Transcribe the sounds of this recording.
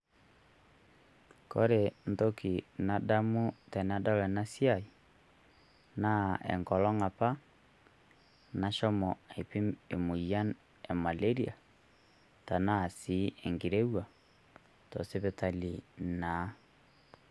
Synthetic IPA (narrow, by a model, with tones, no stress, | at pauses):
ko˦ɾe˨n̩to˦ki˨na˨da˦mu˦tɛ˨na˦dɔ˦lɛ˨na˦sja˦˨i˨ | na˦ɛ̰˨ŋkɔ˨lɔ˦ŋa˨pa˦ | na˨ʃɔ˦mɔ˨a˨i˨pi˦me˨mu˨ja˦n | ɛ˨ma˨le˦ɾi˦a̰˨ | ta˨na˦˨si˨˦ɛ˨ŋɡi˨ɾe˦wa˨ | tɔ˨se˦βɛ˨ta˨li˨na˨˦